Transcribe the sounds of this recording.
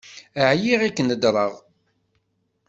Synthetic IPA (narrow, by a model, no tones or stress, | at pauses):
əʕjiʁikːənəd̪ɾˤəʁ